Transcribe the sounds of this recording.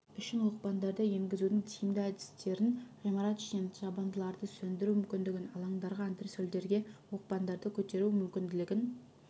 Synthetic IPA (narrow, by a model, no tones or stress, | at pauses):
ʏʃɪnwoq̚pɑnd̪ɑɾd̪əje̞ŋɡʲɪzud̪ɪŋt̪ʰijɪmd̪ɪæd̪ɪ̥st̪e̞ɾɪnʁijmɑɾɑt̪ʒent̪ʒɑbɑnd̪əlˠɑɾd̪əsɵnd̪ɪɾumʏmkʲɪnd̪ɪɡʲɪnɑlˠɑɴd̪ɑɾʁəant̪rʲisɵld̪e̞ɾɡʲe̞woq̚pɑnd̪ɑɾd̪əkʲʰɵt̪e̞ɾumʏmkʲɪnd̪ɪlɪɡʲɪn